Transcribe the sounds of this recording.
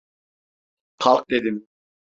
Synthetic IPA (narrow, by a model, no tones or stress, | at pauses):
qʰɑlˠq̚ʼd̪ɛd̪im